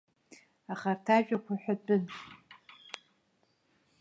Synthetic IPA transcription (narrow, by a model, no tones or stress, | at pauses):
aχartʰaʒᶣakʷʰaħʷᶣabʼɨn